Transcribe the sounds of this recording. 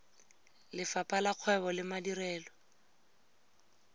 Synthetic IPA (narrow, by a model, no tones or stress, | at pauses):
lɪfapʼalaq͡χʰwɛβɔlɪmadirɛːlɔ